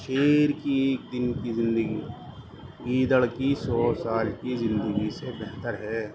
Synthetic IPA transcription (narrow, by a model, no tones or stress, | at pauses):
ʃeːɾkieːk̚d̪ɪnkizɪ̃nd̪əɡi | iːd̪əɽkisɔːsaːlkizɪ̃nd̪əɡisebɛɦt̪əɾɦɛː